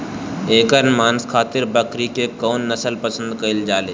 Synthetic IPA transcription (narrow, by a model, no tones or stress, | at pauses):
eːkəɾnmaːnskʰaːt̪ɪɾbəkɾikekɔːnːɐsəlpəsə̃nd̪kɐɪld͡ʒaːleː